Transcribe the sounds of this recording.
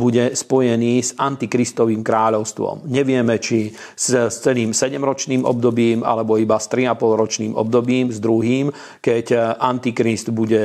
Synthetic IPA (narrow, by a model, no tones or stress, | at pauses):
buɟɛspɔjɛniːzant̪ikɾist̪ɔʋiːmkɾaːʎɔʊst̪ʋɔ̰mɲɛʋɪɛmɛt͡ʃi | sst͡sɛniːmsɛɟɛmɾɔt͡ʃniːmʔɔ̰b̚d̪ɔbiːma̰lɛbɔibast̪ɾiapɔlˠɾɔt͡ʃniːmʔɔ̰b̚d̪ɔbiːmzd̪ɾuɦiːm | kɛcʔant̪ikɾisd̪buɟɛ